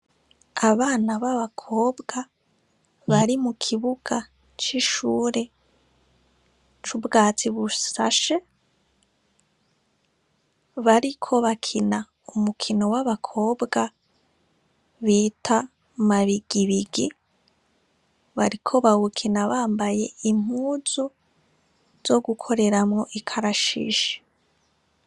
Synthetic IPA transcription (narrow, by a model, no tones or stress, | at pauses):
aβaːnaβaβakʰo̞ːbɡa | βaɾimukʰiβuɡ̥a | t͡ʃiʃuːɾe̞ | t͡ʃubɡaːt͡siβusaʃe̞ | βaɾikʰo̞βakʰina | umukʰino̞waβakʰo̞ːbɡa | βiːtʰa | maβiɡ̥iβiɡi | βaɾikʰo̞βawukʰinaβaːmbaje̞im̥huːzu | z̥o̞ɡukʰo̞ɾe̞ɾamŋo̞ʔikʰaɾaʃḭːʃe̥